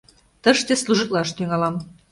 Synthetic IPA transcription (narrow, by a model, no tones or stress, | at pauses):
t̪əʃt̪esluʒɨt̪lɑʃt̪yŋɑlɑm